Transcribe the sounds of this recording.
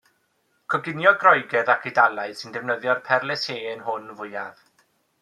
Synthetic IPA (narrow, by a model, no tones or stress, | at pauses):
kʰɔɡɪnjɔɡrɔjɡɛðakʰɨdalˠaɨ̥sɪndɛvwnəðjɔrpʰɛrlˠɛseːənɦʊnvʊɨa̰ð